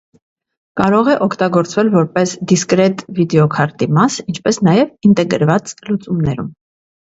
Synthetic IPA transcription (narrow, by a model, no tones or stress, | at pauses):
kɑɾɔʁɛʔɔkʰt̪ɑɡɔɾt͡svɛlvɔɾpɛsd̪iskɾɛt̪vid̪ɛɔkʰɑɾt̪imɑsint͡ʃʰpɛsnɑjɛvint̪ɛɡəɾvɑt͡slut͡sumnɛɾṵm